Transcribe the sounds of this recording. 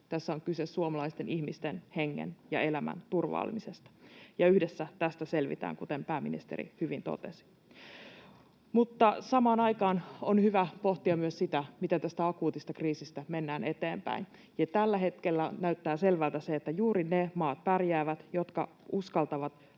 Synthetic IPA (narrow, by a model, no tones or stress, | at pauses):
t̪æsːæoŋkysessuomɑlɑist̪enʔihmist̪enheŋːḛnjɑ̰e̞læmæ̰nt̪urʋɑ̰ːl̰misest̪ɑ̥jɑyhdesːæt̪æst̪æse̞lʋḭt̪æ̰ːŋkut̪empæːmḭnḭst̪ḛɾḭhyʋint̪o̰t̪ḛsi̥ | mut̪ːɑsɑmɑːnɑjkɑːnonhyʋæpo̞ht̪iɑmyøssit̪æmit̪æt̪æst̪æɑkuːt̪ist̪ɑkriːsist̪æme̞nːæːne̞t̪eːmpæ̰in | jɑt̪ælːæɦe̞t̪kelːænæyt̪ːæːse̞lʋælt̪æseːt̪ːæjuːɾinemɑːt̪̚pærjæːʋæt̪jo̞t̪kɑ̰ | uskɑlt̪ɑʋɑt̪